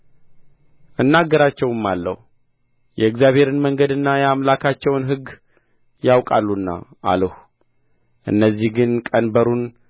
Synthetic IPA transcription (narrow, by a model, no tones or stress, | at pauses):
ʔɨnːaɡːəɾat͡ʃːɛwɨmːalːə̰hu | jɛɨkzjaβʱhe̞ɾɨnməŋɡəd̪ɨnːajɛamlakʰat͡ʃːɛwnɦɨɡː | jawkʼalːunːa̰ʔa̰ləhu | ʔɨ̰nːəzːihɡɨnkʼənbəɾun